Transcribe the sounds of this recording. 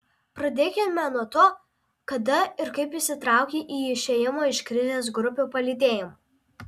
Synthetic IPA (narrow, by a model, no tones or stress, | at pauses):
pɾɐd̪ʲeːkʲɪmʲɛnuɔt̪oː | kɐd̪ɐɪɾkɐɪpɪsʲɪt̪ɾɑˑʊkʲiːʔiːɪʃʲejɪmoːɪʃkɾʲɪzʲeːs̬ɡɾʊpʲuːpɐlʲiːd̪ʲeːjɪmo